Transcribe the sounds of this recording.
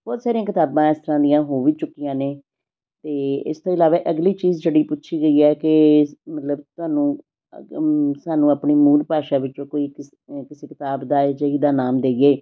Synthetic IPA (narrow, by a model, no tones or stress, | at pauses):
b̥ɔːt̪saːɾijãːkɪt̪aːbãːɪst̪əɾãːd̪ɪjãːɦoːʋiːt͡ʃʊkːɪjãːneː | t̪eːɪ̰st̪oːɪlaːʋaːʔəɡliːt͡ʃiːzd͡ʒeːɽiːpʊtːʃʰiːɡəiːɛːkɪmət̪ləbt̪ʊaːnũː | saːnũːapɳiːmuːlpaːʃaːʋɪt͡ʃt͡ʃõːkoːik | kɪseːkɪt̪aːbd̪aːd͡ʒəiːd̪aːnaːmd̪eːieː